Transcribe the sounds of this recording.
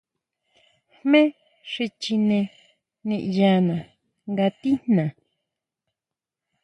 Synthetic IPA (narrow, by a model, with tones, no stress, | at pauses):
hmẽ˦ | ʂi˧t͡ʃi˧nẽ˧ | nĩ˧ʔja˧nã˨ | ŋɡa˧t̪i˦n̥nã˨